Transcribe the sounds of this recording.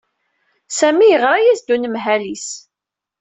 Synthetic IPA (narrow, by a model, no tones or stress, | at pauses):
sæmijəʁɾˤajæsd̪unəmɦælis